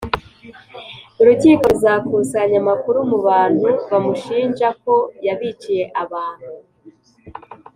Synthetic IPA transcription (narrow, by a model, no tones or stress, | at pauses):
uɾuciːko̞zaːkusaɲamakuɾumuβaːn̥huβamuʃiːɲd͡ʒako̞jaβit͡ʃije̞ʔaβaːn̥hu